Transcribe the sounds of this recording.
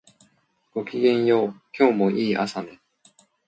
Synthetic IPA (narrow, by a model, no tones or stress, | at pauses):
ɡ̥o̞kʲiɡẽ̞ɰ̃jo̞ːkʲo̞ːmo̞ʔiːʔa̰sane